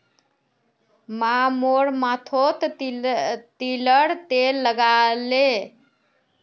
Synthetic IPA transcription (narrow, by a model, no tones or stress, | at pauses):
mamoɽmat̪ʰot̪ | t̪iləɽt̪elːəɡale